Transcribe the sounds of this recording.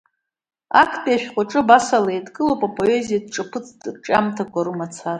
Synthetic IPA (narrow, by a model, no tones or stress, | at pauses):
a̰kʰtʼijaʃᶣqʷʼaʈ͡ʂʼɨbasalajadkʼɨlowpʼapʼo̞e̞zijad̚ʈ͡ʂʼapʰɨt͡sʰʼtʈ͡ʂʼamtʰaɡʷaɾumat͡sʰar